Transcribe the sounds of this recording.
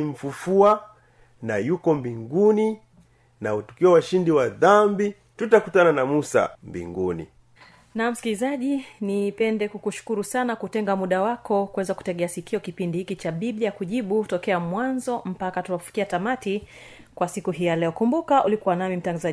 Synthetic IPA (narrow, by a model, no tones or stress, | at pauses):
iɱ̩fufua | najukɔmbiŋɡuni | nautu̥kiawaʃindiwaðambi | tutakutananamusa̰mbḭŋɡunḭ | nam̩skilizaʄinipɛndɛkukuʃu̥kuɾusanakutɛŋɡamuɗawakɔkuwɛzaku̥tɛɠɛasikʰiɔkipindihikit͡ʃaɓiɓiakuʄiɓutɔkɛamwanzɔm̩pakatuwaufi̥kiatamati | kwasikuɦiːjalɛɔkumbukaʔulikuwanamim̩taŋɡaza